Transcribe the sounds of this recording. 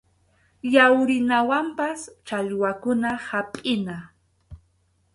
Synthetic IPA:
jawɾɪnawampast͡ʃaʎwakʊnahapʼɪna

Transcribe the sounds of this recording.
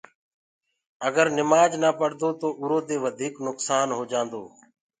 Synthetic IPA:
əɡəɾnɪmaːd͡ʒnaːpəɽd̪oːt̪oːʔʊɾoːd̪eːʋəd̪ʱiːknʊksaːnɦoːd͡ʒãːnd̪oː

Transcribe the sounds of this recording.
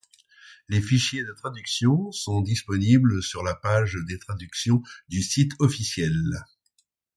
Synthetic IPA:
lefiʃjed̪ət̪χad̪yksjɔ̃sɔ̃d̪ispɔnibləsyʁlapaʒd̪et̪χad̪yksjɔ̃d̪ysit̪ʰɔfisjɛl

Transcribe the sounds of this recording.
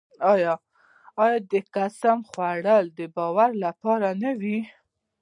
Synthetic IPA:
ɑjɑː | jɑd̪əkasamxwaɽəld̪əbɑwaɾlapɑɾanawi

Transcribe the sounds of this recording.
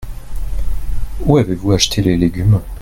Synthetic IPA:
uavevuaʃt̪ʰeleleɡʲym

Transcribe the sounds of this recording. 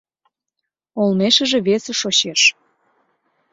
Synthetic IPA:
olmeʃə̆ʒĕβesĕʃoɕeʃ

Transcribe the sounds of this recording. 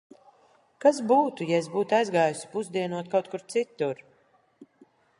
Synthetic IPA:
kazbuːt̪ujaesz̬buːt̪ajzɡaːjusi̥puzd̪iɛnuɔt̪̚kawt̪̚kuɾt̪sit̪uɾ

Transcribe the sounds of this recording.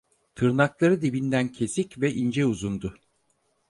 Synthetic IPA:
t̪ʰɯɾnaklˠaɾɯd̪ibind̪æncʰe̞sicvɛʔind͡ʒɛuzund̪ʊ

